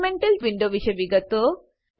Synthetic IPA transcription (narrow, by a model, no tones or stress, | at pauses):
meɳʈɐlʋiɳɖoʋiʃɐjʋiɡɐt̪o